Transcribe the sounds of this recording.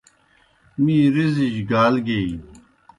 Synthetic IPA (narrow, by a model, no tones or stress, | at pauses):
mĩːɾizid͡ʑɡaːlɡei